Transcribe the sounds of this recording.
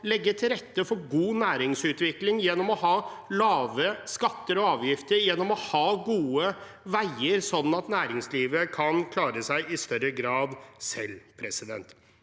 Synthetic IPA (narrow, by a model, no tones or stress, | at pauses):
lɛɡːəʈʰɪlɾɛt̪ːəfɔɾɡuːnæːɾɪŋsʉːt̪ʋɪklɪŋjɛnːɔmɔhɑːlɑːʋəskɑt̪ːəɾɔɑːʋjɪft̪əɾjɛnːɔmɔhɑːɡuːə | ʋæɪəɾsɔnːɑt̪næːɾɪŋsliːʋəkʰɑnkʰlɑːɾəsæɪʔɪst̪œɾəɡɾɑːd̪sɛlːpʰɾɛsɪd̪ɛ̰nt̪